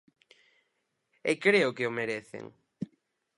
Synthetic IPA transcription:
ekɾeʊkɪomeɾeθḛŋ

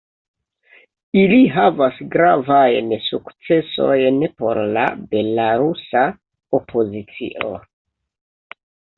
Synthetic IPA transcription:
iliɦavasɡɾavajnsukt͡se̞so̞jnpo̞̰ɾla̰be̞laɾusa | o̞pʰo̞zit͡sḭʔo̞̰

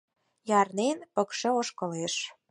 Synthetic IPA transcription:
jɑrnenpə̆kʃĕoʃkɤ̆leʃ

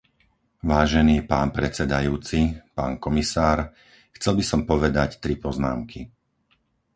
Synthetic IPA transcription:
ʋaːʒɛniːpaːnpɾɛt͡sɛd̪ajuːt͡sipaːnkɔmisaːɾ | xt͡sɛlbisɔmpɔʋɛd̪act̪ɾipɔzna̰ːmki

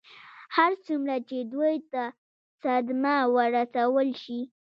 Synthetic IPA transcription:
haɾt͡sumɾat͡ʃed̪wujt̪a | sad̪mawəɾasawəlʃi

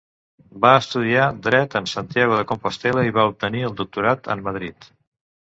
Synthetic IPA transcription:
baəst̪uð̞iad̪ɾɛt̪ənsant̪jaɣ̞uðəkompost̪ɛləiβaup̚t̪əniəlˠd̪uk̚t̪uɾat̪ə̰mməð̞ɾit̪

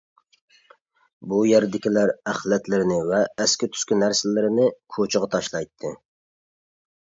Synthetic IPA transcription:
bujɛɾd̪ɪkʲilæɾæχlˠɛt̪lɪɾɪnɪvɛːskʲɪt̪ʰy̥skʲynæɾsɪlɪɾɪnɪkʰot͡ʃʰɪʁɑt̪ʰɑʃlˠɑjt̪ʰːɨ

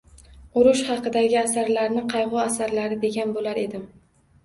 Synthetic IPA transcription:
ʊɾʊʃχɑqʰɨd̪aɡʲɪasaɾlaɾnɪqʰɑjʁʊasaɾlaɾɪd̪e̞ɡʲanbolaɾe̞d̪ɪm

